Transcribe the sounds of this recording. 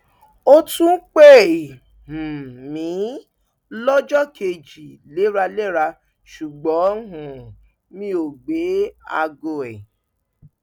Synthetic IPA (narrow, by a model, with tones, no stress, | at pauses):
o˦tũ˦k͡pe˦˨ | m̩˨mĩ˨˦ | lɔ˦d͡ʒɔ˦kʰe˧d͡ʒi˨le˨˦ɾa˧le˦ɾa˧ | ʃu˨ɡ͡bɔ̃˨˦ɦũ˨ | mĩ˦o˨ɡ͡be˨˦a̰˧ɡo˧˨ɛ˨